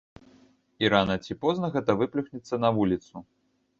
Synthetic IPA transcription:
iɾanɐt͡sʲipɔznɐɣɛt̪ɐvɨplʲuxnʲit̪sːɐnɐvulʲit̪su

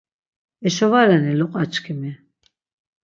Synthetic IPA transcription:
ɛʃɔvaɾɛnilɔqʼat͡ʃʰʼkʰimi

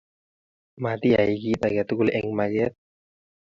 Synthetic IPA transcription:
mat̪iaikit̪aɡat̪ukulʔɛŋmaɡɛt̪̚

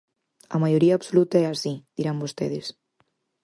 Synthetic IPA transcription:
ɐ̰majoɾiapsolut̪aɛasid̪̥iɾambost̪eðes

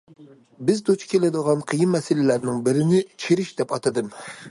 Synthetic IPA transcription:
bɪzd̪ot͡ʃʰi̥kʲelɪd̪əʁɑnqʰəjimːɛsɪlɪlæɾnɪŋbɪɾɪnɪt͡ʃʰeɾɪʃd̪ɛpɑt̪ʰɨd̪ɨm

